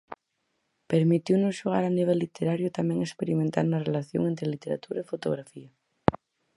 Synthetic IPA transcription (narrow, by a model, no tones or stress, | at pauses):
peɾmit̪iwnʊsʃoɣ̞a̰ɾaniβ̞ɛlːit̪eɾaɾjʊt̪amɛ̃ŋespeɾimẽnt̪a̰ɾnɐrelaθjo̰ŋent̪ɾelit̪eɾa̰t̪uɾɐefot̪oɣ̞ɾafiɐ